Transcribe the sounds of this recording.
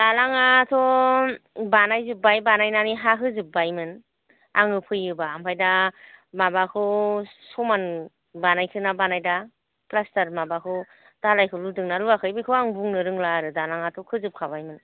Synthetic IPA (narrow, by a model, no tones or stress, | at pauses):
dalaŋatʰɔ | banajzɯp̚ːajbanajnaniɦaɦʰɯzɯp̚bajmɯn | aŋɯpʰɯjɯbaːmpʰajdamabakʰɯsɔman | banajkʰɯnabanajda | klastaɾmabakʰɯw | d̥alajkʰɯludɯŋnaluakʰɯjbikʰɯaŋbuŋnɯɾɯŋlaɾɯdalaŋatʰɔkʰɯzɯp̚kʰaβajmɯn